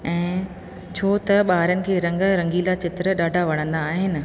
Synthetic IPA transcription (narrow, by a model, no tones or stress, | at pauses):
ɛ̃ː | t͡ɕʰoːt̪ɐɓaːɾənɪ̆kʰeːɾɐ̃ŋɡɾɐ̃ŋɡilat͡ɕɪt̪ɾəɗaːɖʱaʋɐɽ̃ə̃nd̪aːɦɪnɪ̆